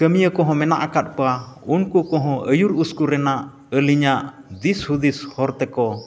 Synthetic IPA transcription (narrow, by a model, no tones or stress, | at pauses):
kəmijəkɔɦɔ̃mɛnaʔakat̪̚paunkukɔɦɔ̃ʔəjuɾuskuɾɛnaʔ | əliɲaʔd̪ishud̪ishɔɾt̪ɛkɔ